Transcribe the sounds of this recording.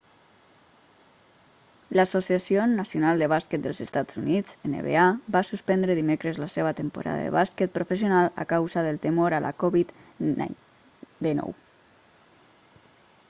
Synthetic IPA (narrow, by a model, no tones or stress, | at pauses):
ləsosiasionəsionalˠd̪əβaskeət̪̚d̪ə̰lzəst̪ad͡zunid͡zenə̰βḛabasuspɛnd̪ɾəðimekɾəzləseβət̪əmpṵɾʔa̰ðə̰ðə̰βaskət̪̚pɾofəsionalˠə̰kawzəðəlˠt̪əmoɾəlʔa̰kɔβit̪ | d̪inɔ̰w